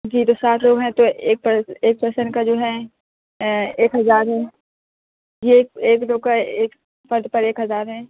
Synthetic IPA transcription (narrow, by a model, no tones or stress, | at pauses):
d͡ʒiːt̪osaːt̪ʰloːɡɦɛ̃t̪oeːk̚pəeːk̚pɐɾsənkad͡ʒoːɦɛ̃ | eːkɦɐzaːɾɦɛ̃ː | jekeːkloːɡ̚kaeːk | fɐɾd̪pɐɾeːkɦɐzaːɾɦɛ̃